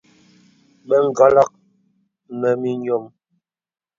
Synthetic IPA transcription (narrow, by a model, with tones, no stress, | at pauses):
mɛ˦ŋ˨ɡa˦la˦k̚ | nɛ˨mi˦ɲɔ˦m